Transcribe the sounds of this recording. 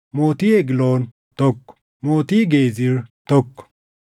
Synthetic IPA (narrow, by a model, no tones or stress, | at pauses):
mot̪ieɡlon | t̪ok | moːt̪iɡeːziɾt̪ɔkː